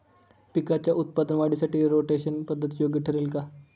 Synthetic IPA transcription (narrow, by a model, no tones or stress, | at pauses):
pikat͡ɕjaʔut̪̚pad̪ənʋaɽisaʈiːɾoʈeɕənpəd̪ʱːət̪ijoɡəʈʰəɾelka